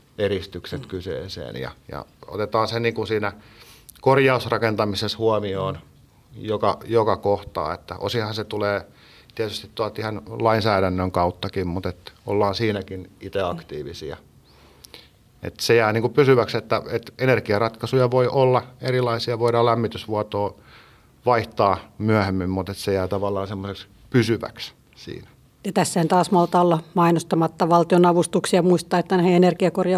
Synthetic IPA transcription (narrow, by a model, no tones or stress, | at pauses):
erist̪ykset̪kysḛːsḛːnjɑ̰jɑ̰o̰t̪et̪ɑːnsenniːŋkunsiːnæ | korjɑusrɑkent̪ɑmiseshuɑmioːn | jokɑjokɑkoht̪ɑ̰ːḛt̪ːæ̰ʔo̰sihɑnset̪uleː | t̪iæt̪yst̪it̪t̪uɑt̪ihɑnlɑinsæːɾænːøŋkɑut̪ːɑkimmut̪et̪o̰lːɑːnsiːnækinit̪eɑkt̪iːʋisḭɑ̰ | ḛt̪sejæːniːŋkupysyʋækset̪ːæet̪enerkiɑrɑt̪kɑsujɑʋoiʔolːɑerilˑɑisiɑʋoiɾɑlæmːit̪ysʋuɑt̪oː | ʋɑiht̪ɑːmyæhemːimmut̪et̪sejæːt̪ɑʋɑlːˑɑːnsemːoseks | pysyʋæ̰ks | sḭːnæ̥ | jɑt̪æsːæhænt̪ɑːsmɑlt̪ɑolːɑmɑinost̪ɑmɑt̪ːɑʋɑlt̪ionɑʋust̪uksiɑmuist̪ɑːet̪ːænæheenerkiɑkorjɑ